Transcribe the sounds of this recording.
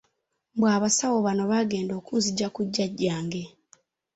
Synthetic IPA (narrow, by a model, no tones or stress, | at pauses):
bwaːβasawo̞βano̞βaɡe̞ːndo̞ːkuːnziɟakuɟːaɟːaːŋɡe̞